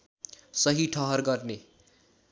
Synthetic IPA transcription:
sʌɦiʈʰʌɦʌrɡʌrne

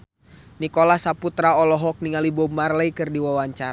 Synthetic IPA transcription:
nikɔlahsaput̪ɾaɔlɔɦɔk̚niŋalibɔmarlɛikɨrdiwawaɲt͡ʃaɾ

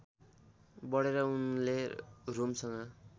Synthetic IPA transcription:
bʌɽeɾʌunleromsʌŋɡʌ

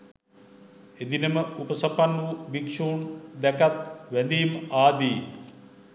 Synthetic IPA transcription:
ed̪inəməupəsɐpanːubikʂuːnd̪ɛkat̪ʋænd̪ijmaːd̪iː

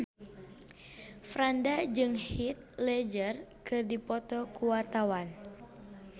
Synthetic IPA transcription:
fɾandad͡ʒɨŋhit̪̚lɛd͡ʒərkɨrdipɔt̪ɔkuwart̪awan

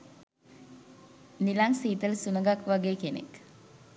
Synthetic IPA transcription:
nilaŋsiːt̪əlsunəɡakʋaɡeːkenḛk

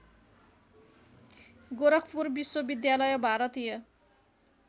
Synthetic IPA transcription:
ɡoɾʌkʰpurbiswobid̪jalʌjʌbʱaɾʌt̪ijʌ

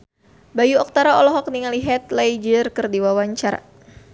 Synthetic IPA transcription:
bajuɔk̚t̪aɾaɔlɔɦɔk̚niŋaliɦɛt̪lɛid͡ʒərkɨrdiwawaɲt͡ʃaɾa̰

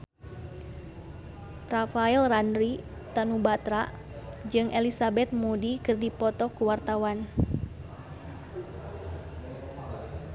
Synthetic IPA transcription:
rafailranɾit̪anubat̪ɾaʔ | d͡ʒɨŋʔɛlisabɛt̪̚mudikɨrdipɔt̪ɔkuwart̪awan

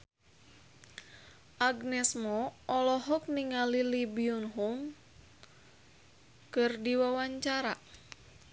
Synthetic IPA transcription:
ʔaɡnɛsmɔʔɔlɔɦɔk̚niŋalilibiunɦum | kɨrdiwawaɲt͡ʃaɾa

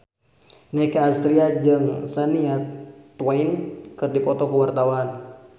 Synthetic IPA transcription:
nɛkaːst̪ɾiad͡ʒɨŋsaniat̪wainkɨrdipɔt̪ɔkuwart̪awan

